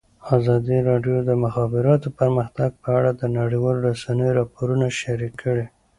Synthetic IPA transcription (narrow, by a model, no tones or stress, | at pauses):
azɑd̪iɾɑɖjod̪əmʊxɑbɪɾɑt̪opəɾməxt̪aɡ̚pəaɽad̪ənaɽiwɑloɾasanəjoɾɑpoɾunaʃaɾikʰːəɽe